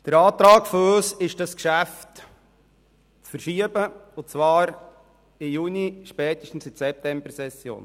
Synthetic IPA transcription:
d̥əɾɑːtɾɑːkfɔɾoːsɪʃd̥ɑskʃæft | t͡sfəɾʃiəbəʊt͡sʋɑːɾ | ɪjuniʃpɛːtəʃtn̩sɪdsɛp̚tɛmbəɾsɛsjo̰ːn

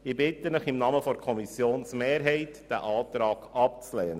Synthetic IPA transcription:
ɪbɪtənəχɪmnɑːməfɔɾkʰɔmisjoːnsmeːɾɦɛɪtd̥æ̰ʔɑːt̪ɾɑːɡ̥ɑp̚t͡slɛːnə

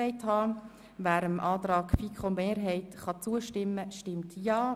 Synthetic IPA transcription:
ɛɪthɑː | væːɾəmʔɑːtɾɑːkfikχʊndmeːɾɦɛɪtχɑt͡suːəʃtɪmːəʃtɪmtjɑː

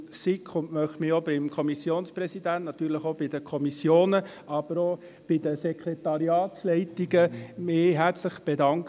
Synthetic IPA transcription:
sikʰχʊnmœχtmɪobɪmkʰɔmisjoːnsprɛsid̪æntnɑt̪yːɾləχob̥ɪd̥əkʰɔmisjoːnə | ɑb̥əɾoː | b̥ɪd̥̪əsɛkʰɾet̪ɑɾiɑːt̪slɛɪtiɡəmɪːɦæɾt͡sləχb̥edɑŋk

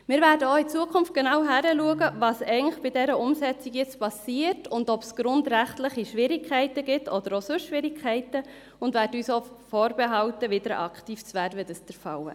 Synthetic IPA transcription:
mɪːɾvæːɾdəoit͡suəkʰʊmft̚ɡ̥enɑwɦæɾəluəɡəvɑːsɛɪənləχb̥ɪdɛɾəʔʊmsɛt͡siɡjɛt͡spɑsiːəɾtʊndɔpsɡ̥ɾʊndɾæχtləχiʃʋɪɾikʰχɛɪtəɡɪtʰɔd̪əɾosʉʃʃʋɪɾɪkʰɛɪtə | ʊndʋæːɾdəyːso | foːɾbeɦɑwtəʋɪd̥əɾɑkʰtiːft͡sʋæːɾʋɛdəstɛɾfɑwə̰

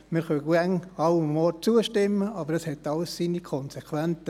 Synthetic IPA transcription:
mɪɾχœɡæŋɑwmmɔːt͡suəʃtɪmːəʔɑbəɾdɑshɛtːɑləssinikʰɔnsekʰʋɛnt͡sə

